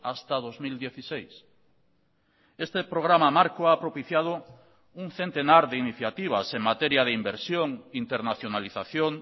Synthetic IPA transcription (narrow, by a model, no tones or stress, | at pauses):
ast̪aðozmild̪jeθisejs | est̪epɾoɣ̞ɾamamaɾkoapɾopiθjað̞o | uŋθent̪enaɾðeiniθjat̪iβ̞aseŋmat̪ɛɾjað̞eimbeɾsjoŋint̪eɾnaθjonaliθaθjoŋ